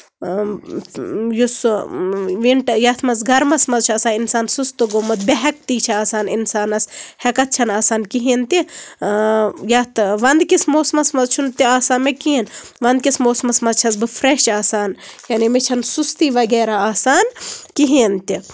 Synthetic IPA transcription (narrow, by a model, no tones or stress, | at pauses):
jus | ʋiɳʈjɐt̪ʰmɐzɡʱɐɾmɐsmɐzt͡ʃʰɐsaːninsaːnsust̪ɨɡoːmɐt̪̚bʲeɦɐk̚t̪iːt͡ʃʰiaːsaːninsaːnɐshɐkɐt̪̚t͡ʃʰɐnaːsaːnkiɦiːnt̪i | jɐt̪ʰʋɐnd̪kismoːsmɐsmɐzt͡ʃʰunt̪iaːsaːmekiin | ʋɐnd̪̚kʲismoːsmɐsmɐzt͡ʃʰɐs̬bɨfʰɾeːʃaːsaːnjaːnimit͡ʃʰɐnsust̪iːʋɐɡeːɾaːaːsaːnkiɦeːnt̪i